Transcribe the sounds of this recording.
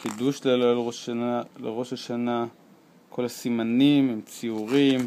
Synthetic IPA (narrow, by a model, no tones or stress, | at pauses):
kiduʃlelaloalḛʁo̞ʃaʃana | ko̞lasimanimemt͡siuʁim